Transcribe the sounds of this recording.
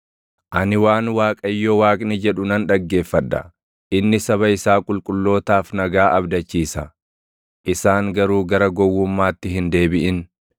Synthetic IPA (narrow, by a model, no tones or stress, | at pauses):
ʔɐnɪwaːnwaːkʼɐjːowaːkʼnɪd͡ʒɛᶑʊnɐnᶑɐɡːe̞ːfːɐᶑːɐ̰ | ʔɪnːɪsɐβɐɪsaːkʼʊlkʼʊlːo̞ːt̪aːfnɐɡaːʔɐbd̪ɐt͡ʃːiːsɐ | ʔɪsaːŋɡɐɾuːɡɐɾɐɡɔwːʊmːaːt̪ːɪɦɪnd̪e̞ːbɪʔɪn